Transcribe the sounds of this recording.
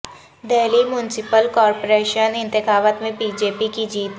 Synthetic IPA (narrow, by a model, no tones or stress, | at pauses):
d̪eːlimjʊnɪsɪpəlkɔːɾpoɾeːʃənɪ̃nt̪ɪxaːʋət̪mẽbiːd͡ʒeːpikid͡ʒiːt̪